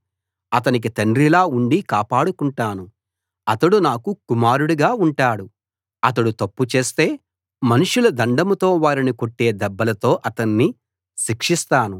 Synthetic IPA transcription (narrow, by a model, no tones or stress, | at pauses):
ɐt̪̬ɐnik̬it̪ɐɳɖɾilaːuɳɖikaːpaːɽukuɳʈaːnu | ɐt̪ɐɽunaːkukumaːɾuɽuɡaːuɳʈaːɽu | ɐt̪̬ɐɽut̪ɐpːut͡ʃe̞ːst̪e̞ː | mɐnuʂulɐd̪ɐɳɖɐmut̪o̞ːʋaːɾinikoʈːe̞ːd̪ɛbːɐlɐt̪o̞ːʔɐt̪ɐnːi | ʃikʂist̪aːnu